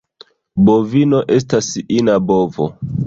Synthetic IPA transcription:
bovino̞ʔe̞s̬tasinabovo̰

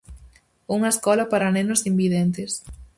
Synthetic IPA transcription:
uŋɐeskɔlɐpaɾanenʊzimbiðent̪es

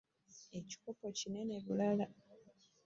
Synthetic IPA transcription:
e̞ci̥ko̞po̞cine̞ne̞βulala

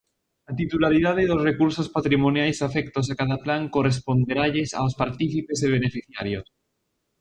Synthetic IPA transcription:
lat̪it̪ulaɾiðaðeðozrekuɾsospat̪ɾimonjajsafekt̪osakaðaplaŋko̞respo̞nd̪eɾaʎesa̰ospaɾt̪iθipe̞seβ̞enefiθjaɾjos

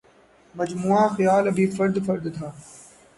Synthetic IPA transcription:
mɐd͡ʒmuːaːxɪjaːlɐbʱiːfɐɾd̪fɐɾd̪t̪ʰaː

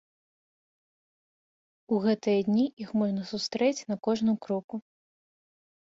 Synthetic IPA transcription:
uɣɛt̪ɨjɐd̪ʲnʲiʔixmɔʐnɐsust̪ɾɛt͡sʲnɐkɔʐnɨmkɾɔku

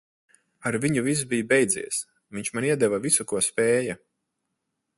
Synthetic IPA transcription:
aɾviɲuvis̬bijbɛjd̪zḭɛs | viɲʲt͡ʃmaniɛd̪ɛvavisukuɔspɛːja

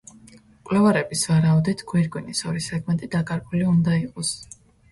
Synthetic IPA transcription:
kʼwlɛvaɾɛbisvaɾaud̪ɛt̪ʰɡ̥wiɾɡʼwinisɔɾisɛɡmɛnt̪ʼid̪akʼaɾbʼuliund̪aiqʼɔs

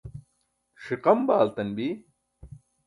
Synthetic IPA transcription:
ʂiqɐmbaːlt̪ɐnbi

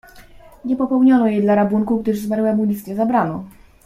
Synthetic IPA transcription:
ɲɛpɔpɛwɲɔnɔjɛjd̪laɾabuŋkuɡd̪ɘʐzmaɾwɛmulʲist̪ɲɛzabɾanɔ

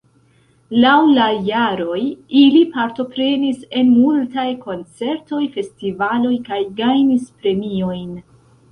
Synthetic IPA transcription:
lawlajaɾo̞jilipaɾto̞pɾe̞nise̞nmultajko̞nt͡se̞ɾto̞jfe̞stivalo̞jkajɡajnispɾe̞mio̞jn

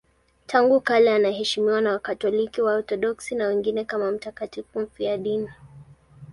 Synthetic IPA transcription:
tʰaŋɡukalɛanahɛʃimiwanawakatɔlikiwaɔt̪ɔɗɔksinawɛŋɡinɛkamam̩takatifum̩fijaɗini

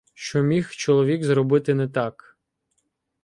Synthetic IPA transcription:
ʃt͡ʃɔmʲixt͡ʃɔlˠɔʋʲikzɾɔbɪt̪ɪnɛt̪ɑk

